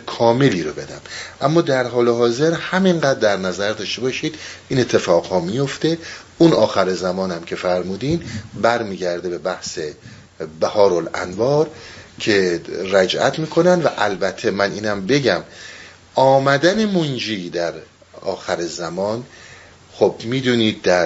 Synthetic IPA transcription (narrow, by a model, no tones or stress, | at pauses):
kʰɒːme̞liːɾobe̞d̪æ̰mʔæmːɒːd̪æɾɦɒːleɦɒːze̞ɾhæminɢæːd̪̚ːæɾnæzæɾd̪ɒːʃt̪e̞bɒːʃiːd̪ʔiːnet̪ʰːe̞fɒːɣ̥hɒːmijo̞ft̪e̞ | unɒːxæɾezæmɒːnæmcʰe̞fæɾmuːd̪iːmbæɾmiːɟæɾd̪e̞be̞bæhse | bæhɒːɾolæ̰nvɒːɾcʰe̞ɾæd͡ʒʔæ̰t̪ʰmiːkʰo̞nænd̪væʔælbæt̪ʰːe̞mænʔiːnæmbe̞ɟæm | ʔɒːmæd̪æne̞mond͡ʒiːd̪æɾ | ɒːxæɾezæmɒːn | xobmiːd̪uːniːd̪̚ːæɾ